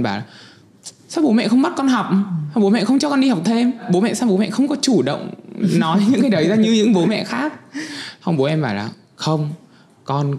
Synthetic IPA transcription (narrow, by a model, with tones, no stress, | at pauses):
nɓaː˧˩laː˨˩ | saː˦˥k͡p̚ɓo˨˦mɛ̰˧˨xə˧wŋ͡mɓa˦˥t̚kɔ˧nɦa˨˩wk͡p̚a˨˧˩ɓo˨˦mɛ̰˧˨xə˧wŋ͡mt͡ɕɔ˧kɔ˧nɗi˧ha˨˩wk͡p̚t̪ʰe˧mɓo˨˦mɛ̰˧˨saː˦˥ɓo˨˦mɛ̰˧˨xə˧wŋ͡mkɔ˨˦t͡ɕu˧˩ɗə̰˧˨wŋ͡mnɔ˨˦jɲɨ̰˧˥ŋkaː˨˦ɗə˨˦jzaː˧ɲɨ˧ɲɨ̰˧˥ŋɓo˨˦mɛ̰˧˨xaː˦˥k̚hə˧wŋ͡mɓo˨˦ʔɛ˧mɓaː˧˩laː˨˩ | xə˧wŋ͡m | kɔ˧n